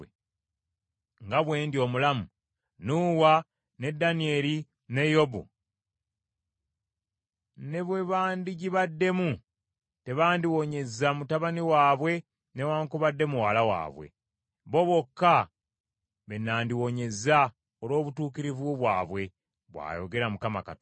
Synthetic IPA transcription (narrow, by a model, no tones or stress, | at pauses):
ŋɡaβwe̞ːndjo̞ːmulamu | nuːwa | ne̞dːanie̞li | ne̞jo̞bṵ | ne̞βwe̞βaːndiɟiβadːe̞mu | te̞βaːndiwo̞ɲe̞zamutaβaniwaːβwe̞ | ne̞waːŋkuβadːe̞muwalawa̰ːβwe̞̰ | βo̞βo̞kːa | βe̞nːaːndiwo̞ɲe̞za | olo̞ːβutuːkiɾivuβwaːβwe̞ | βwa̰ːjoɡe̞ɾamukamaka̰t